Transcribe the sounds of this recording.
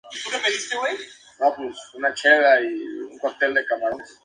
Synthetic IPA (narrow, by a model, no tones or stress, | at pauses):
it̪ukepeðist̪ewe | nopusunat͡ʃelaiuŋkwaɾt̪eld̪ekaβas